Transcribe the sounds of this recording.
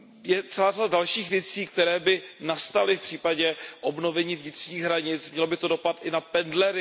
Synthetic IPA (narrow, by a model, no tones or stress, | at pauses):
jɛt͡sɛlaːradadalʃiːxvjɛt͡siːkt̪ɛɾɛːbɪnast̪alɪfpr̥iːpaɟɛʔobno̞vɛɲiːvɲɪt̪r̝̥ɲiːɣɦɾaɲɪt͡smɲɛlo̞bɪt̪o̞do̞pat̪ʔɪnapɛndlɛɾɪ